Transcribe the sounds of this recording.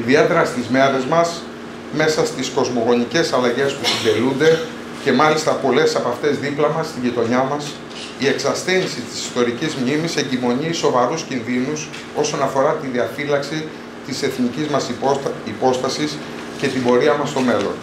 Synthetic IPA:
iðie̞t̪e̞ɾɐst̪izme̞ɾezmɐs | me̞sɐst̪isko̞zmo̞ɣo̞nice̞sɐlɐʝe̞spusind̪e̞lund̪e̞ | ce̞mɐlist̪ɐpo̞le̞sɐpɐft̪e̞zðiplɐmɐst̪iʝit̪o̞ɲɐmɐs | ie̞ksɐst̪enisit̪i̥si̥st̪o̞ɾicizmɲimise̞ɲɟimo̞ɲiso̞vɐɾuscinðinus | o̞so̞nɐfo̞ɾɐt̪iðiɐfilɐksi | t̪ise̞θnicizmɐsipo̞st̪ɐsis | ce̞t̪ibo̞ɾiɐmɐst̪o̞me̞lo̞̰n

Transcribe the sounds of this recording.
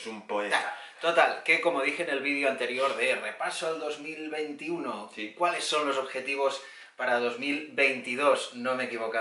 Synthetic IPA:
sumpoet̪o̞t̪alkeko̞moð̞ixene̞lβiðjoant̪e̞ɾjo̞ɾðerepasoald̪o̞zmilβe̞jnt̪iunokwale̞sːo̞nloso̞βxe̞t̪iβ̞o̞s | paɾaðo̞zmilβe̞jnt̪ið̞o̞znõ̞me̞kiβoka

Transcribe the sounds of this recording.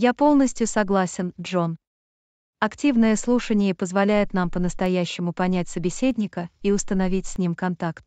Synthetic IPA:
japo̞lˠnəsʲtʲjʊsɐɡlˠasʲɪnʐo̞n | ɐktʲivnɨjəslˠuʂənʲɪjəpəzvɐlʲæjʊt̪nampənəst̪ɐjæɕːɪmʊpɐnʲæt̚ʲsəbʲɪsʲedʲnʲɪkəiʊst̪ənɐvʲitʲsʲnʲimkɐnt̪akt̪̚

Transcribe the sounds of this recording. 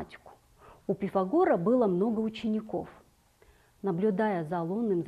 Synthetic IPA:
atʲɪ̥kʊ̥ | upʲɪfɐɡoɾəbɨlˠəmno̞ɡəʊt͡ɕɪnʲɪko̞̰f | nəblʲʊd̪ajəzɐlˠonːɨmz

